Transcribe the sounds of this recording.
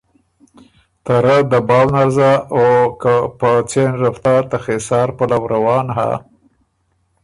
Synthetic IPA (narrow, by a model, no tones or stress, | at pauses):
t̪aɾəd̪əbɑwnaɾzaokapət͡senɾaft̪ɑɾt̪axesɑːɾpəlawɾawɑnɦa̰